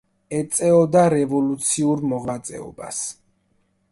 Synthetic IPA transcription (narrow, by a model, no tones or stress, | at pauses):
ɛt̪sʼɛɔd̪aɾɛvɔlut̪sʰiuɾmɔʁat̪sʼɛ̰ɔ̰ba̰s